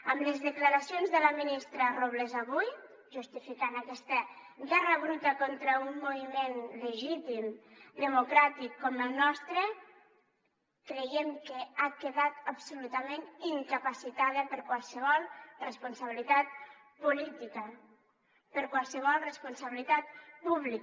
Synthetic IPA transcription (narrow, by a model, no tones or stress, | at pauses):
əmləzðəkləɾasionzðələminist̪ɾəroβlezaβuj | ʒust̪ifikanakɛst̪əɣɛrəβɾut̪əkont̪ɾəunːuβimenləʒit̪imd̪əmukɾat̪ikːɔməlˠnɔst̪ɾə | kɾejɛmkəakəðat̪əpsulut̪əmeniŋkəpəsit̪aðəpəɾkwalˠsəβ̞ɔlˠrəspunsəβilit̪at̪̚ | pulit̪ikə | pəɾkwalˠsəβɔlˠrəspunsəβilit̪at̪̚puβlik